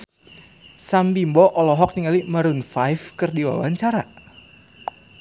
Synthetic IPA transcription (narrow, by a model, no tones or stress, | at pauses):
sambimbɔʔɔlɔɦɔk̚niŋalimaɾunfajfkɨrdiwa̰waɲt͡ʃaɾa